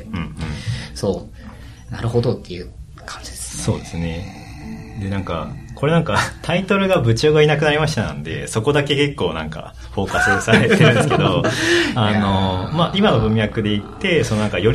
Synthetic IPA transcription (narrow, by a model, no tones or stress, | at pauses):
ɯ̟̃ːɯ̃soː | na̰ɾɯ̟ho̞d̪o̞t̪ːe̞jɯ̟ | kʰḁ̃ɲ̟d͡ʑid̪esso̞ːd̪e̞sɨne̞ | d̪e̞nãŋka̰kʰo̞ɾe̞nãŋkat̪ʰait̪o̞ɾɯ̟ɡabɯ̟t͡ɕoːɡainak̬ɯnaɾʲimaɕi̥t̪anã̰nd̪e̞̰so̞ko̞d̪ake̞ke̞kːo̞ːnã̰ŋka̰ | ɸo̞ːkasɨsaet̪ːeɯ̃sked̪oano̞maʔimano̞bɯ̟̃m̃jakɯ̟d̪e̞it̪ːe̞so̞noãŋkajo̞ɾʲ